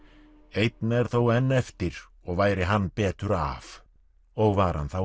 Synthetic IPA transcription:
ejt̪nɛɾ̥θowɛnːɛft̪ɪɾ | ɔɣvaːjɾɪɦanːpɛːt̪ʏɾa̰v | ɔɣvaɾ̥ha̰nθaw

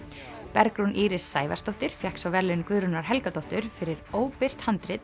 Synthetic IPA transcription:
pɛɾkɾunʔiːɾɪsːaːjva̰st̪ɔht̪ɪɾ̥fjɛhksawvɛɾlɪnkvʏːðɾʏnaɾ̥ɦɛlkat̪ɔht̪ʏɾ̥fɪɾɪɾoːwpɪr̥t̪hant̪ɾɪt̪

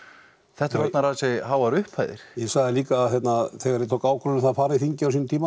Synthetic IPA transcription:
θɛht̪ʏɾvɛt̪naɾaːsɛɦaːwvaɾʏhpʰhajðɪ̰ɾ̥jɛsaɣðɪliːkaːðθjɛt̪naðθɛːɣaɾɪt̪ʰoːwkaːwkʰɔnnɪθafaːɾɪðθiɲcɪawsint̪iːma

